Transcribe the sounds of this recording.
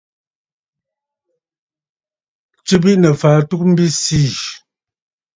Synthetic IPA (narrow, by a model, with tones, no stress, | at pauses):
t͡ʃʉ˦bi˦ʔnə˨faː˨˦tu˦k̚m̩˦bi˦si˦˨